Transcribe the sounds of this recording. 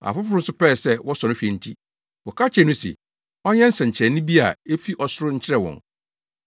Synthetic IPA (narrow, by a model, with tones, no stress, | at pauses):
a̰˨fʊ˦fʊ˦ɾʊ̃˦n̩˦sʊ˦pɛː˦˨sɛ˦wɔ˦sɔ̃˨nʊ˦ɕᶣɛ˨n̩˦tʰi˦ | wɔ˨kʰa˦t͡ɕʰɛ˨nʊ̃˦sɪ̰˨ | ɔ˦ɲɛ̃˦n̩˦sɛ̃˨ɲ˨t͡ɕʰɪ˨ɛ˨nʊ̃˦bi˦a̰˨e˦fi˦ʔɔ˨sʊ˦ɾʊ˦ɲ̩˦t͡ɕʰɪ˦ɾɛ˨wɔ̰̃˨n